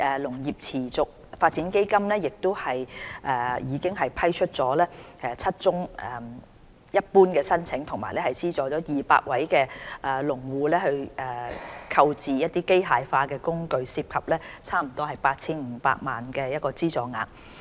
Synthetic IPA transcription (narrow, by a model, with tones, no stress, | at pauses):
ʔɛː˨lʊ˨˩ŋjiː˨p̚t͡sʰiː˨˩t͡sʊ˨k̚faː˧t̚t͡siː˨˥nke˥jkɐ˥mlɛː˥jɪ˨k̚t̪ʊ˥whɐ˨jʔɛː˨˩jiː˨˧˥kɪ˥ŋɦɐ˨jpʰɐ˥jt͡ʃʰɵ˥t̚t͡sɔː˨˥lɛː˥ʔɛ˨˧t͡sʰɐ˥t̚t͡sʊ˥ŋɛ˨˩ | jɐ˥t̚puː˥nkɛː˧sɐ˥nt͡sʰɪ˨˥ŋt̪ʰʊ˨˩ŋma̰ː˨˩jlɛː˥hɐ˨jt͡siː˥t͡sɔː˨˩t͡sɔː˨˥jiː˨pa̰ː˧k̚wɐ˨˥jkɛː˧ʔɛː˨˩lʊ˨˩ŋwuː˨˧lɛː˥hɵ˧ɥɛː˨˩kʰɐ˧wt͡siː˨jɐ˥t̪̚iː˥ke˥jɦaː˨˧jfaː˧kɛː˧kʊ˥ŋkɵ˧ɥsiː˧p̚kʰɐ˨p̚lɛː˥t͡sʰaː˥m̩˨˩t̪ɔː˥ɦɐ˨jpaː˧t̚t͡sʰiː˥nŋ̩ː˨˧˦pa̰ː˧k̚ma̰ː˨nkɛː˧jɐ˥t̚kɔː˧t͡siː˥t͡sɔː˨ŋa̰ː˨˧n